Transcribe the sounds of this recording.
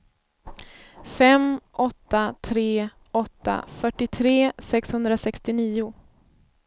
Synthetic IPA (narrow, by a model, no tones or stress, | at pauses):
fɛmʔɔt̪ːat̪ʰɾeː | ʔɔt̪ːa̰fœʈːɪt̪ʰɾeːsɛkshɵnd̪ɾasɛkst̪ɪniːʊ